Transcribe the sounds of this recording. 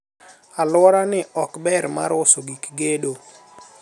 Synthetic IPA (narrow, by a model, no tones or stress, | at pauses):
alwɔɾanɪɔkbɛɾma̰ɾʊsoɡikɡedo